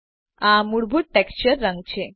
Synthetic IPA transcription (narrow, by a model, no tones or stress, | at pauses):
ãmuɽbʱuʈ̚ʈɛkst͡ɕəɾːãŋɡt͡ɕe